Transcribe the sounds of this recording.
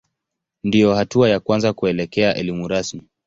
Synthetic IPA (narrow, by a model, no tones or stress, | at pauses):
ndijɔhatuajakwanzakuɛlɛkɛaʔɛlimuɾasmi